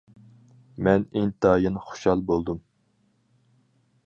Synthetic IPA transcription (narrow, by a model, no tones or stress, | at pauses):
mɛnɪŋt̪ʰɑːjinχo̥ʃhɑlˠbolˠd̪um